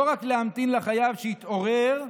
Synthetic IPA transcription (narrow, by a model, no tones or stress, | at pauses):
oʁakleamt̪inlaχajavʃehit̪o̞ʁeʁ